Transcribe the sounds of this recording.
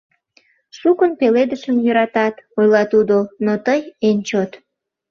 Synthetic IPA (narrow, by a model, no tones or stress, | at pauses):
ʃukənpeled̪əʃəmjøɾɑt̪ɑt̪ojlɑt̪ud̪onot̪əjenʲt͡ɕot̪